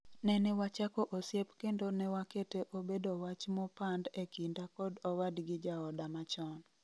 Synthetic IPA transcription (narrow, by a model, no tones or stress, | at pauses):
nɛnɛwat͡ʃakɔʔosjepkendonɛwaketeʔobedowat͡ʃmɔpandekindakɔdɔwadɡɪd͡ʒaɔdamat͡ʃɔn